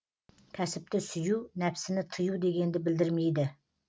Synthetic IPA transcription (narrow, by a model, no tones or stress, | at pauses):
kʲʰæsɪp̚t̪ʰɪsyjunæpsɪnɪt̪ʰɨjud̪e̞ɡʲend̪ɪbɪld̪ɪɾmejd̪ɪ